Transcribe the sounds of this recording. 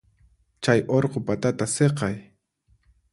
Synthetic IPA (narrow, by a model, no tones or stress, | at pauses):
t͡ʃajʔoɾqopat̪at̪aseqɑj